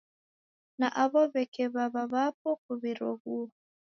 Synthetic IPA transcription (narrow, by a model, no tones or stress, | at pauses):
naʔaβɔβɛkɛβaβaβap̚ɔkuβiɾɔɣu